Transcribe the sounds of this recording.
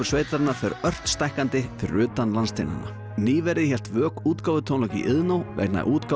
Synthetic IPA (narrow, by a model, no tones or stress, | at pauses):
ʏ̥sveːjt̪aɾnafɛɾœr̥t̪st̪ajhkant̪ɪfɪɾʏːt̪anlanst̪ʰena̰nːa̰ | niːvɛɾɪçɛl̥t̪vœːkuːt̪kaːwvʏt̪ʰownɔcḭʔɪðnowvɛ̰kna̰ʔuːt̪ka